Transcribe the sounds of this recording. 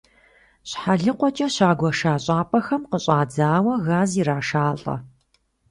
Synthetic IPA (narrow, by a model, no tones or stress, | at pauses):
ɕħaɮɨqʷɔt͡ʃʼɐɕaːɡʷɔʂaːɕʼaːpʰʼɐxɐmqəɕʼaːd͡zaːwɐɣaːziɾaːʂaːɬʼɐ̰